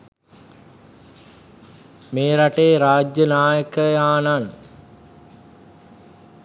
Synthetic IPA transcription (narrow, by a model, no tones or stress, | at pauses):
meːɾaʈeːɾaːd͡ʒjənaːjəkəjaːnan